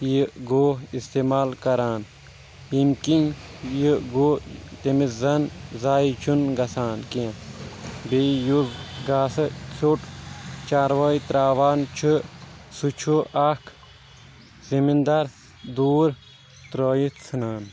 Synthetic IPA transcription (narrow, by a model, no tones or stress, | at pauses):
jiɡoːɦist̪eːmaːlkɐɾaːn | imkinjiɡot̪emizɐnzaːit͡ʃʰunɡɐsaːnkẽ | bejuzɡaːsɨt͡sʰuʈt͡ʃaːɾʋɐːjt̪ɾaːʋaːnt͡ʃʰusut͡ʃʰuʔakʰ | zimind̪ɐɾ | d̪uːɾ | t̪ɾoːjit͡sʰɨnaːn